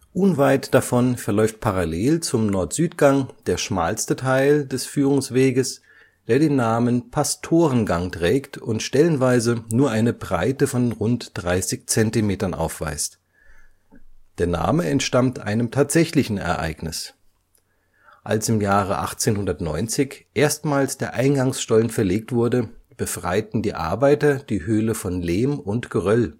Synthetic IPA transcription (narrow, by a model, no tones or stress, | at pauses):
ʔʊnvaɪtd̥afɔnfɛɐlɔʏft̚pʰaʁaleːlt͡sʊmnɔɐtz̥yːtɡ̥aŋd̥eːɐʃma̰ːlstətʰaɪldɛsfyːʁ̞ʊŋsv̥eːɡəs | d̥eːɐdeːnːaːmənpʰastʰoːʁ̞ənɡaŋtʁ̥ɛːktʰʊntʃtɛlənvaɪzənuːɐʔaɪnəbʁa̰ɪtəfɔnʁʊntd̥ʁaɪsɪçt͡sɛntimeːtɐnʔa̰ʊfv̥a̰ɪst | d̥eːɐna̰ːməɛntʃtamtʰʔa̰ɪnəmtʰaːtz̥ɛçlɪçn̩ɛ̰ɐʔa̰ɪɡnɪ̰s | ʔalsɪmjaːʁ̞əʔa̰χt͡seːnhʊndɐtnɔ̰ʏnt͡sɪçʔeːɐstmaːlsd̥eːɐʔaɪnɡaŋsʃtɔlənfɛɐleːk̚tv̥ʊɐdəb̥əfʁ̥a̰ɪtn̩diːʔa̰ɐbaɪtɐd̥iːhøːləfɔnleːmʊntɡ̥əʁœl